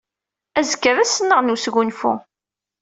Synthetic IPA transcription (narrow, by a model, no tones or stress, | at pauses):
æzəkːəɾæsənːəʁnusɣunfṵ